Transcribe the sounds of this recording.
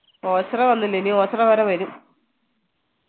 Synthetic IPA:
oːt͡ɕːrɐʋɐnːilːenio̞ːt͡ɕrɐʋɐɾɐʋɐɾum

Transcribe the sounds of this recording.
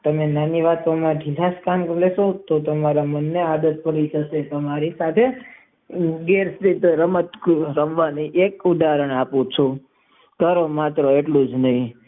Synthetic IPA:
t̪əmenaniʋat̪ʋomãɖʱilaskanklesot̪ot̪əmaɾamənːead̪ət̪̚pəɾiʃəʃet̪əmaɾisat̪ʰe | ɡeɾsɾit̪ɾəmət̪ɾəmʋaniʔekʊd̪aɾəɳapũt͡ʃʰɔ | k̪əɾomat̪ɾoeʈlũd͡ʒnəɦĩ

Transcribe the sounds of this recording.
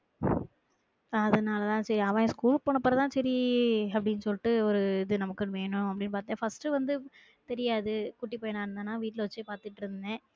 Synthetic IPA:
ɐðɐnaːlɐt̪ãːsɐɾiaʋãskuːlpoːɳɐpːɯɾɐt̪ãːsɐɾiɐpːɐɽɪnːɯsɔlːɪʈːɯɔɾɯɪðɯnɐmɐkːɯnɯʋeːnʊ̃ɐpːɐɽɪnːɯpaːɾt̪iŋɡaːfɐsʈɯʋɐnd̪ɯ | t̪ɛɾɪjaːðɯkʊʈːipːoːjɐnãːɪɾɯnd̪aːnːaːʋiːʈːɪlɐʋɐt͡ʃːɯpaːɾt̪ɯʈːɪɾɯnd̪ɛ̃ː

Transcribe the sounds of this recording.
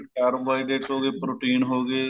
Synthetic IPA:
ʈaːɾʋaːiɖeːʈɦoːɡeːpɾoːʈiːnɦoːɡeː

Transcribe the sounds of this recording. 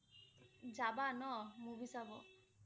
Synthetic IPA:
d͡ʒabanɔmũbisabɔ

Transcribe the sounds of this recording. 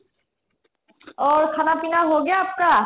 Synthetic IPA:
ɔɹkʰanapinaɦoɡjaːpka

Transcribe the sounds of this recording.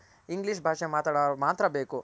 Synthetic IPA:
iŋɡliʂbʱaːʂemaːt̪aːɽoːɾmaːt̪ɾɐbeːku

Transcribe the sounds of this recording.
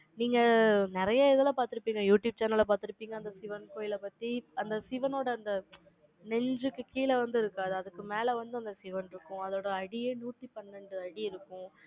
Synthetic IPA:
niːŋɡɐnɪɾɐjaɪðɐlãpaːɾt̪ɪɾɯpːiːŋɡɐjuːʈjuːb̚t͡ʃɐːɾnɐlɐpaːɾt̪ɪɾɯpːiːŋɡɐːnd̪ɐsɪʋɐnkoːjɪlɛpɐt̪ːiɐnd̪ɐsɪʋɐnoːɽɐːnd̪ɐ | nɛɲd͡ʒɯkːɯkiːlɛʋɐnd̪ɯɪɾɯkːaːðɯɐðɯkːɯmeːlɛʋɐnd̪ɯɐnd̪ɐsɪʋɐnɪɾɯkːʊ̃ɐðoːɽɐːɽɪjeːnuːʈːipɐɳːɐɳɖɯɐɽiɪɾɯkːʊ̃

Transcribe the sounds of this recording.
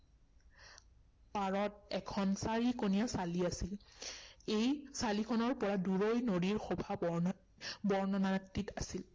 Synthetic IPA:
paɹɔtɛkʰɔnsaɹikonijasaliasil | ejsalikʰɔnɔɹpɔɹaduɹojnodiɹxɔbʱabɔɹn | bɔɹnɔnak̚titasil

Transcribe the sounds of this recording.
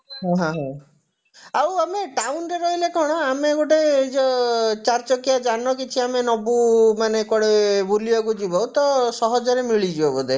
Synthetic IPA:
ɦãɦãɦã | awameʈawnɾeɾɔɦilekʰɔɽ̃ɔameɡoʈed͡ʒɔt͡ʃaɾt͡ʃɔkijad͡ʒanɔkit͡ʃʰiamenɔbumanekɔɽebuliɔɡud͡ʒibɔwt̪ɔsɔɦɔd͡ʒɔɾemiɭid͡ʒiɔbɔd̪e

